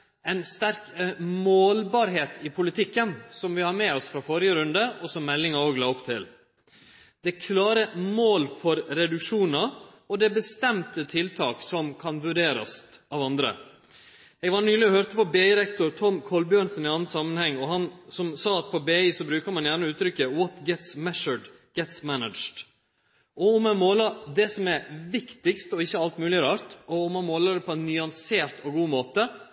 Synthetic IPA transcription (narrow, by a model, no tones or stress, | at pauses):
ɛɪnst̪æɾkmoːlbɑɾɦeːt̪ɪpʰʊlɪt̪ʰɪkːənsɔmʋɪhɑɾmɛːɔsfɾɑfɔɾɪjəɾʉnd̪əɔsɔmːɛlːɪŋɑoːɡlɑːɔpt̪ʰɪl | d̪̥ɛkʰlɑːɾəmoːlfɔɾɾɛd̪ʉkʂuːnɑ | ɔd̪ɛbəst̪ɛmt̪ət̪ʰɪlt̪ʰɑːksɔmkʰɑnʋʉɖeːɾɑ̰sɑːʋɑnd̪ɾə̰ | ɛɡʋɑnyːlɪɔhøɾt̪əpɔbeːɪɾɛkt̪ʊɾt̪ʰɔmkʰɔlbjœɳnsənɪɑnəsɑmːənhɛŋːɔɦɑnsɔmsɑːɑt̪̚pʰɔbeːisɔbɾʉːkəmɑnjæːɳəʉːt̪ɾʏkːəwɔt̪ɡɛt̪smɛʂəɖ | ɡ̥ɛt̪smænəd̪d͡ʒɖ | ʔɔʊmɛnmoːlɑd̪ɛsɔmɛɾʋɪkt̪ɪkst̪ɔɪçːəɑlt̪mʉːlɪɾɑːɾt̪ɔʊmɑnmoːlɑd̪ɛpʰɔɛnːʏɑnseːɾt̪ʰɔɡuːmoːt̪ə